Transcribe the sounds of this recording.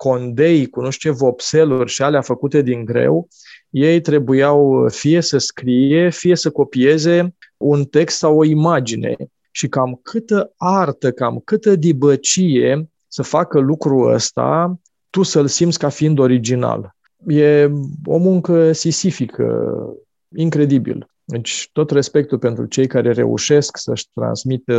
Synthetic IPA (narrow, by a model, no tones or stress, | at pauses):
ko̞nd̪e̞jkunuʃt̪evo̞pse̞lurʲʃialeafəkut̪e̞d̪iŋɡɾe̞̰w | je̞jt̪ɾe̞bujawfije̞səskɾije̞fije̞səko̞pije̞ze̞unt̪e̞kst̪sawo̞imad͡ʒine̞̰ | ʃikamkʰɨt̪əart̪əkamkɨt̪əd̪ibət͡ʃije̞ | səfakəlukɾuə̰st̪a̰ | t̪usəlsimt̪sʲkafiind̪o̞ɾid͡ʒina̰l | je̞o̞̰muŋkəsisifikʰə̰ | iŋkɾe̞d̪ibḭl | d̪et͡ʃʲt̪o̞t̪re̞spe̞k̚t̪upe̞nt̪ɾṵt͡ʃe̞jkaɾe̞ɾe̞̰ṵʃe̞sksəʃʲt̪ɾa̰nsmit̪ə